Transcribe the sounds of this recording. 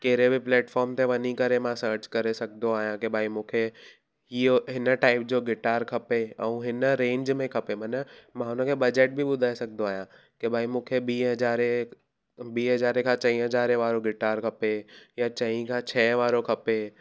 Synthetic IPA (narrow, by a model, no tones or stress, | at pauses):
keːɾebɪplɛːʈfʰɔːɾmt̪ʰeʋɐɲikɐɾemãsəːɾt͡ɕkɐɾesɐɡʱnd̪oaːɦjãkɪbʱaːimũːkʰe | ɦioɦɪnəʈaːɪp̚d͡ʑoːɡɪʈaːɾkʰɐpeɛ̃ũɦɪnəɾẽːɲd͡ʑmẽkʰɐpemɐnəmãʊnəkʰeɓɐd͡ʑeʈ̚bʱɪɓʊd̪ʱaːesɐɡʱnd̪oaːɦijã | kɪbʱaːimũːkʰebiːɦɐd͡ʑaːɾe | biːɦɐzaːɾekʰãt͡ɕɐ̃ĩɦɐd͡ʑaːɾeʋaːɾoɡɪʈaːɾkʰɐpejat͡ɕɐ̃ĩkʰãt͡ɕʰɛːʋaːɾokʰɐpe